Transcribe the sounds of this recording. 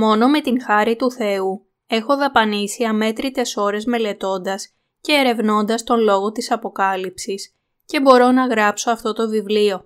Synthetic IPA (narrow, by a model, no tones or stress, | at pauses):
mo̞no̞me̞t̪inxɐɾit̪uθe̞u | e̞xo̞ðɐpɐnisiɐme̞t̪ɾit̪e̞so̞ɾe̞zme̞le̞t̪o̞nd̪ɐs | ce̞ːɾe̞vno̞nd̪ɐst̪o̞nlo̞ɣo̞t̪isɐpo̞kɐlipsis | ce̞bo̞ɾo̞nɐɣɾɐpso̞ɐft̪o̞t̪o̞vivlio̞